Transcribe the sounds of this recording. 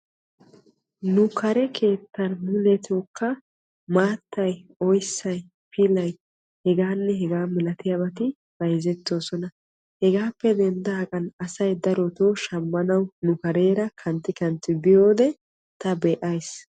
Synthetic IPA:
nʊkʰɐɾɛkʰe̞ːt̪ːɐnmʊlɛt̪oːkːɐ | maːt̪ːɐjɔjsːɐj | pilɐj | hɛɡaːnːɛɦɛɡaːmɪlɐt̪ɪjabɐt̪ɪ | b̥ɐjzɛt̪ːo̞ːsɔnɐ | hɛɡaːpːɛd̪ɛnd̪ɐɐkʼɐnɐsɐjd̪ɐɾɔt̪oːʃɐmːɐnɐwnʊkɐɾe̞ːɾɐkʰɐnt̪ːɪkɐnt̪ːɪbɪjo̞ːd̪ɛ | t̪ɐbeːʔɐjs

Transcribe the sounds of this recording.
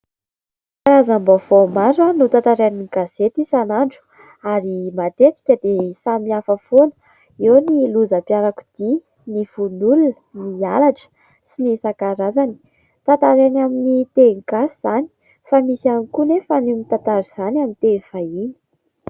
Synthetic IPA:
kaɾazambovomaɾanut̪at̪aɾaninɡaz̥et̪isanaɳɖ͡ʐu̥ | aɾimat̪et̪i̥kʲəd̪esamiafəfonə̥ | ewniluzapiaɾaku̥d̪̥i | niv̥unulunənialaʈ͡ʂə̥ | sinisakaɾazani̥ | t̪ant̪aɾanaminit̪eŋɡasiz̥ani̥ | famisianikunefanimit̪ant̪aɾiz̥anamint̪evaini̥

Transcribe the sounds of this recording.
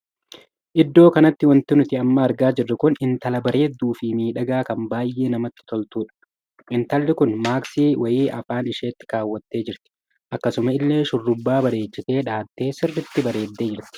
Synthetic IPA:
ʔɪd̪ːo̞ːkɐnɐt̪ːɪwɐnt̪ɪnʊt̪ɪɐmːɐɐɾɡaːd͡ʒɪrːɪkʊnɪnt̪ɐlɐbɐɾe̞ːd̪ːuːfɪmiːᶑɐɡaːkɐmbaːjʔe̞ːnɐmɐt̪ːɪ̥t̪ɔlt̪uːᶑɐ̥ | ʔɪnt̪ɐlːɪkʊnmaːksiːwʔɐjiːʔɐfaːnɪʃeːt̪ːɪ̥kaːwːɐt̪ːe̞ːd͡ʒɪɾt̪ɪ̥ | ʔɐkːɐsʊmɐɪlːe̞ːʃʊrːʊbːaːbɐɾe̞ːt͡ʃːɪse̞ːᶑaːt̪ːe̞ːsɪrːɪt̪ːɪbɐɾe̞ːd̪ːe̞ːd͡ʒɪɾt̪ɪ̥

